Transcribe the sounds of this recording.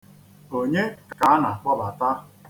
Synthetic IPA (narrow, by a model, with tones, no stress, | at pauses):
o˨ɲe˦kka˨˦a˦na˨k͡pɔ˦la˨ta˦